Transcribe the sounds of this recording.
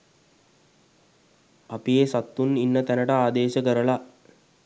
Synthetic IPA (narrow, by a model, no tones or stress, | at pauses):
apijesat̪ːuninːət̪ænəʈəaːd̪eːʃəkəɾəla